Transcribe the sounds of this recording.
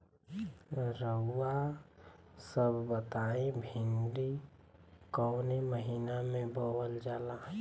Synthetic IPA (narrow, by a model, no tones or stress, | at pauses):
ɾəːa | səbʱbət̪aːẽbʱɪnɖi | kɔːneməɦiːnamẽbowəld͡ʒaːla